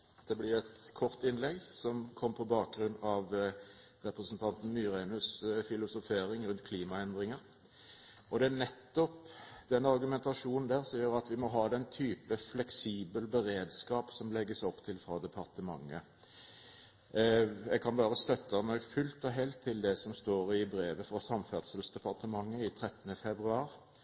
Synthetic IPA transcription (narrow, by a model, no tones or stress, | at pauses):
d̪̥ɛblɪʁɛt̪kʰɔʁt̪ɪnlɛɡsɔmkʰɔmːpʰɔbɑːk̚ɡɾʉnɑʋ | ɾɛpɾəsn̩t̪ʰɑnt̪n̩myːɾenʉsfɪlʊsʊfeːɾɪŋɾʉnt̪̚kʰliːmɑɛnd̪ʁɪŋəɾ | ɔd̪ɛænɛt̪ːɔpd̪̥ɛnɑʁɡʉmɛnt̪ɑʂuːnn̩d̪æːʁsɔmjøːɾɑt̪ʋɪmɔɦɑːd̪ɛnt̪ʰyːpəflɛksiːbəlbəɾeːd̪skɑːpsɔmlɛɡːəsɔpːt̪ʰɪlfʁɑd̪ɛpʰɑʁt̪ʰəmɑ̰ŋːə | ɛɡkʰɑnʋɑːɾəst̪œt̪ːənɔɡfʉlt̪ɔɦɛlt̪ʰːɪld̪ɛsɔmst̪oːɾɪbɾeːʋəfɾɑsɑmfæʁd̪səlsd̪ɛpɑʁt̪əmɑŋːəɪt̪ʰɾɛt̪ːənəfɛbɾʉɑːɾ